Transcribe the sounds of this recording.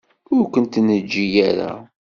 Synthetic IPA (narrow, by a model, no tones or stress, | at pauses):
ʊɾkənt̪nəd͡ʒːijæɾa̰